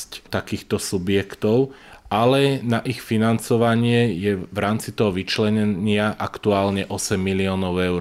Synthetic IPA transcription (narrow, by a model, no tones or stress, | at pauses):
sct̪akiːxt̪ɔsubɪjɛkt̪ɔʊʔalɛnaʔixfinant͡sɔʋaɲɪɛjɛʋɾaːmt͡sit̪ɔɦɔʋit͡ʃlɛɲɛɲɪaʔakt̪uaːlɲɛʔɔsɛmːiliɔːnɔʊɛʊ